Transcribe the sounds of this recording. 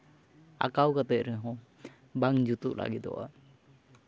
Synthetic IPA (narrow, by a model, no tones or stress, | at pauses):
a̰kawkat̪ɛʔ̚ɾɛɦɔ̃ | baŋd͡ʒut̪uʔlʔa̰ɡiɔ̰ʔa̰